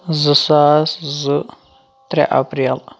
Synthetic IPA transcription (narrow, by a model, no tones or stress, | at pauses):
zɨsaszɨ | t̪ɾɛ̰ʔa̰pɾel